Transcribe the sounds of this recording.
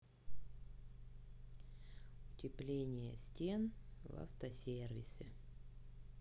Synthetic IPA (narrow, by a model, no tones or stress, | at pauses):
ʊtʲɪplʲenʲɪjə̰sʲtʲenva̰ft̪əsʲervʲɪsʲɪ